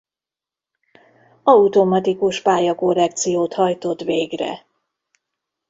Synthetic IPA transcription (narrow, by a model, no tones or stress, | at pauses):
ɒut̪omɒt̪ikuʃpaːjɒko̞rːɛk̚t̪sijoːt̪hɒjt̪o̞t̪veːɡrɛ̰